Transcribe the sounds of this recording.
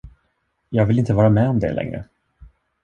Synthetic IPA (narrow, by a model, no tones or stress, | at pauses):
jɑːɡvɪlɪnt̪əvɑːɾamɛɔmd̪ɛ̰lʔɛ̰ŋɾə̰